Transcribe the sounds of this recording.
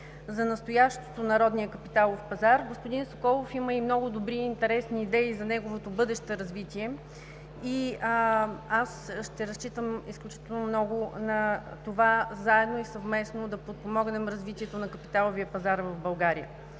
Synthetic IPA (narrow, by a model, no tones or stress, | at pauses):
zɐnɐst̪ojaʃt̪o̥t̪onɐɾɔd̪nijəkəpit̪alˠofpɐzaɾɡospʊd̪inso̥kɔlˠofiməimnɔɡʊd̪obɾiːnt̪ɛɾɛsniːd̪ɛizɐnɛɡovot̪obɤd̪ɛʃt̪əɾɐzvit̪iɛ | i | asʃt̪ɛɾɐst͡ʃit̪əmisklʲut͡ʃi̥t̪ɛlˠnomnɔɡʊnɐt̪ovazaɛd̪noisɐvmɛsnod̪ɐpot̪̚pomɔɡnɛmɾɐzvit̪iɛt̪onɐkɐpit̪alˠoviəpɐzaɾvəvbɐlˠɡaɾijə̰